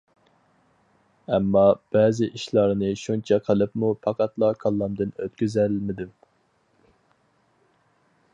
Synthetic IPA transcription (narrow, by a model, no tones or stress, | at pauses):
ɛmːɑb̥ɛzɪʔiʃlˠɑɾnɨʃunt͡ʃʰɑqʰəlˠɨpmupʰɑqʰɑt̪lˠɑkʰɑlˠːɑmd̪ɨnøt̪̚kʲyzælmɪd̪ym